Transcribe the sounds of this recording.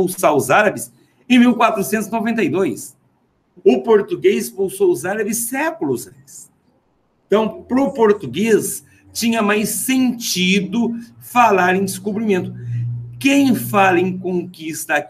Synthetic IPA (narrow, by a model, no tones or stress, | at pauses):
owsaʊzaɾɐbɪs | ẽj̃miwkwat̪ɾʊsẽnt̪ʊzinovẽnt̪ɐjd̪ojs | ʊpoɾt̪uɡezspowsowʊzaɾɐbɪsːɛkʊlʊzbɪs | t̪ɐ̃w̃pɾʊpoɾt̪uɡes | t͡ʃĩɲɐmajsẽnt͡ʃid̪ʊfalaɾẽj̃d̪ɪskubɾimẽnt̪ʊkẽj̃falɐẽj̃kõŋkist̪ɐk